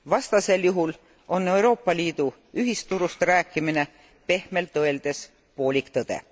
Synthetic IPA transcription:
vɑst̪ɑse̞ljuɦul | o̞nːe̞uwɾo̞ːpːɑliːd̪̥u | yɦist̪uɾust̪ɾæːkːˑimine̞ | pe̞hme̞lt̪ɤe̞ld̪̥e̞s | po̞ːlʲikt̪ɤd̪̥e̞̰

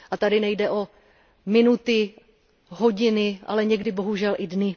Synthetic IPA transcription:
ʔat̪adɪnɛjdɛʔo̞ | mɪnut̪ɪ | ɦo̞ɟɪnɪʔa̰lɛɲɛɡdɪbo̞ɦuʒɛlʔɪdnɪ

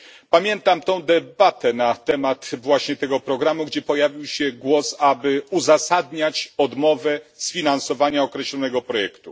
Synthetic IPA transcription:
pamʲjɛnt̪amt̪ɔ̃w̃d̪ɛbat̪ɛnat̪ɛmat̪vwaɕɲɛt̪ɛɡɔpɾɔɡɾamuɡd͡ʑɛpɔjavʲiwɕɛɡwɔsabɘuzasad̪ɲat͡ɕɔd̪mɔvɛsfʲinansɔvaɲaɔkɾɛɕlɔnɛɡɔpɾɔjɛkt̪u

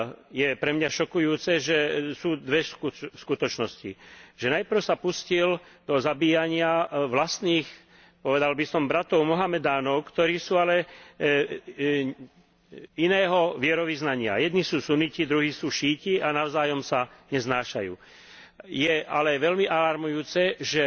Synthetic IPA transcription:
jɛpɾɛmɲaʃɔkujuːt͡sɛʒɛsuːd̪ʋɛskuskut̪ɔt͡ʃnɔscḭʒɛnajpr̩ʊsapuscil | d̪̥ɔzabiːjaɲɪaʋlast̪niːx | pɔʋɛd̪albisɔmbɾat̪ɔʊmɔɦamɛd̪aːnɔʊkt̪ɔɾiːsuːalɛ | inɛːɦɔʋɪɛɾɔʋiznaɲɪa̰jɛd̪nisuːsunicid̪ɾuɦiːsuːʃiːcianaʊzaːjɔmsaɲɛznaːʃa̰jṵː | jɛalɛʋɛlmiʔalaɾmujuːt͡sɛʒɛ

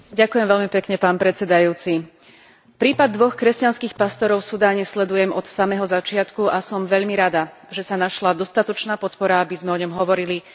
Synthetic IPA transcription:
ɟakʊjɛmʋɛʎmipɛkɲɛpaːnpɾɛt͡sɛd̪ajuːt͡si | pɾiːpad̪̚ːʋɔxkɾɛscanskiːxpast̪ɔɾɔʊfsud̪aːɲɛslɛd̪ujɛmʔɔt̪samɛːɦɔzat͡ʃɪat̪kuʔasɔmʋɛʎmiɾad̪aʒɛsanaʃlad̪ɔst̪at̪ɔt͡ʃnaːpɔt̪pɔɾaabizmɛɔɲɔmɦɔʋɔɾili

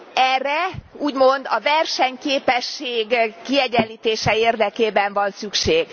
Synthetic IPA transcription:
ɛrːɛuːɟmo̞nd̪ɒvɛrʃɛɲkeːpɛʃːeːɡkiɛɟɛnliːt̪eːʃɛeːrd̪ɛkeːbɛɱvɒnsykʃeːɡ

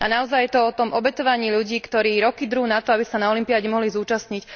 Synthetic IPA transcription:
anaɔzajːɛt̪ɔɔt̪ɔmɔbɛt̪ɔʋaɲiːʎuɟiːkt̪ɔɾiːɾɔkid̪ɾuːnat̪ɔabisanaɔlimpiaɟɛmɔɦlizuːt͡ʃastɲic

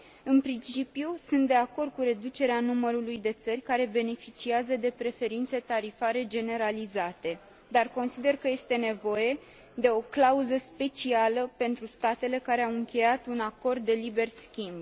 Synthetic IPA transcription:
ɨnpɾint͡ʃipjusɨnt̪̚d̪e̞ako̞rd̪̚kuɾe̞d̪ut͡ʃe̞ɾeanuməɾulujd̪e̞t̪sərʲkaɾe̞be̞ne̞fit͡ʃiazəd̪e̞pɾe̞fe̞ɾint̪se̞t̪aɾifaɾe̞d͡ʒe̞ne̞ɾalizat̪e̞ | d̪arko̞nsid̪e̞rkəje̞st̪e̞ne̞vo̞je̞ | d̪e̞o̞klauzəspe̞t͡ʃialəpe̞nt̪ɾust̪at̪e̞le̞kaɾe̞awɨŋkʲe̞jat̪unako̞rd̪ːe̞libe̞rskʲimb

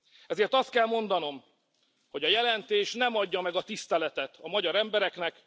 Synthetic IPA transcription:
ɛzeːrt̪ɒst̪̚kɛlmo̞nd̪ɒno̞m | ho̞ɟɒjɛlɛnt̪eːʃnɛmɒɟːɒmɛɡɒt̪ist̪ɛlɛt̪ɛt̪ɒmɒɟɒɾɛmbɛɾɛknɛk

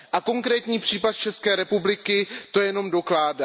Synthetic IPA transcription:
ʔako̞ŋkɾɛːt̪ɲiːpr̝̥iːpat̪̚t͡ʃɛskɛːɾɛpublɪkɪt̪o̞jɛno̞mdo̞klaːda

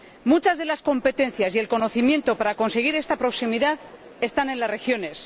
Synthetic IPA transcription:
mut͡ʃazðe̞lasko̞mpe̞t̪ẽ̞nθjasielko̞no̞θimjẽ̞nt̪o̞paɾako̞nse̞ɣ̞iɾe̞st̪apɾo̞ksimiðað | e̞st̪anẽ̞nlasre̞xjo̞ne̞s

